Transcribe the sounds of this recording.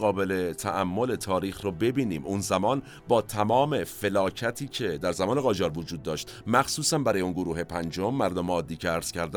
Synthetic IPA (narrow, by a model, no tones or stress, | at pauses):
ɣɒːbe̞le̞t̪ʰæʔæmːole̞t̪ʰɒːɾiːxrobe̞biːniːmʔunzæmɒːn | bɒːt̪ʰæmɒːme̞fe̞lɒːcʰæt̪ʰiːcʰe̞d̪æɾzæmɒːneɣɒːd͡ʒɒːɾvod͡ʒuːd̪̚ːɒːʃt̪mæxsuːsænbæɾɔːjeunɡoɾuːɦe̞pʰænd͡ʒomːæɾd̪omeɒːd̪ːiːcʰeæɾz̥cʰæɾd̪æ